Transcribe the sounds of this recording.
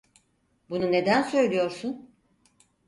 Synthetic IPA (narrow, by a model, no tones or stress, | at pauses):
bunune̞d̪ænsø̞jlʲijo̞ɾsun